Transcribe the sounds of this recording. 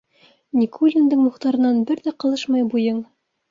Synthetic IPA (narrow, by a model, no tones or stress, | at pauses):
nʲikulʲind̪ɤɴmuχt̪ɑɾɤ̆nɑnbɘɾðæqɤ̆lˠɤʃmɑjbujɤɴ